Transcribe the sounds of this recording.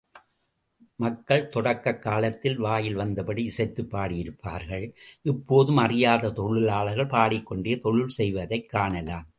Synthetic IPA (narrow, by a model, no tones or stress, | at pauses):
mɐkːɐɭt̪ɔɽɐkːɐkːaːlɐt̪ːɪlʋaːjɪlʋɐnd̪ɐpɐɽiɪsɐɪt̪ːɯpːaːɽɪjɪɾɯpːaːɾɣɐɭʔɪpːoːðɯmɐrɪjaːðɐt̪ɔɻɯlaːɭɐɣɐɭpaːɽɪkːɔɳɖejɐt̪ɔɻɯlsɛjʋɐðɐɪkːaːɳɐlaːm